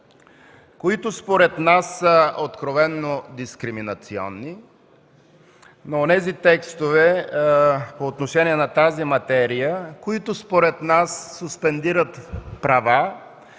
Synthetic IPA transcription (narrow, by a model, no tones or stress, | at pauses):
koit̪ʊspoɾɛt̪nasːəot̪kɾovɛnːod̪iskɾiminɐt̪siɔ̰nːi | noonɛzit̪ɛkst̪ovɛ | poːt̪noʃɛniɛnɐt̪azimɐt̪ɛɾijəkoit̪ʊspoɾɛt̪nasːuspɛnd̪iɾət̪pɾɐva